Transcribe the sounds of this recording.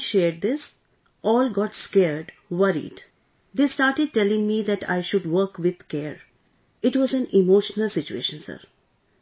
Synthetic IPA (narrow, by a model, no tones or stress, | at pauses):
ʃeːɖ̚d̪ɪs | ʔɔːlɡɔːʈskɛːɾɖ | ʋʌɾḭɖ | d̪eːsʈaːɾʈeɖ̚ʈɛlɪ̃ŋmid̪æʈa̰ɪʃʊɖʋəɾkʋɪd̪̥kɛːɾ | ɪʈʋɔzæ̃nɪmoːʃənəlsɪt͡ʃuḛːʃə̃nsə̰ɾ